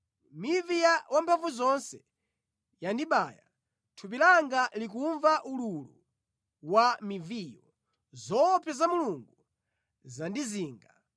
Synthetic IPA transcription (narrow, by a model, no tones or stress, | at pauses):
mivijawampʰaɱvuzɔnsɛ | jandiɓaːja | tʰup̬ilaŋɡalik̬uɱvaʔululu | wamivijɔ | zɔpʰjazamuluŋɡu | zandiziːŋɡa